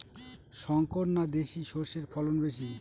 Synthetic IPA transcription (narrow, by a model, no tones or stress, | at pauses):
ʃɔŋkoɾnad̪eʃiʃoɾʃeɾpʰɔlonbeʃ̬i